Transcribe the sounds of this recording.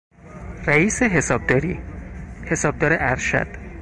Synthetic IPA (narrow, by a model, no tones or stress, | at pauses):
ræiːseɦe̞sɒːb̚d̪ɒːɾḭːhe̞sɒːb̚d̪ɒːɾeʔæɾʃæ̰d̪̥